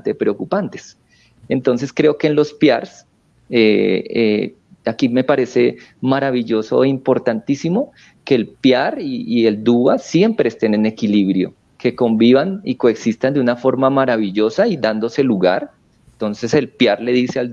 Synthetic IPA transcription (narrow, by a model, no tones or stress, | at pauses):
t̪epɾeokupant̪e̥s | ent̪o̞nse̞skɾeokeːnlo̞spjaɾs | ee | akime̞paɾe̞se | maɾaβiʝo̞so̞̰eimpo̞ɾt̪ant̪isimo̞ | ke̞ːlpjaɾiːe̞ld̪uasje̞mpɾe̞ːst̪e̞nene̞kiliβɾjo̞̰ | ke̞ko̞mbiβanikoeksist̪and̪eunafo̞ɾmamaɾaβiʝosaid̪and̪o̞se̞luɣa̰ɾ | ent̪o̞nse̞se̞lpjaɾle̞ðiseal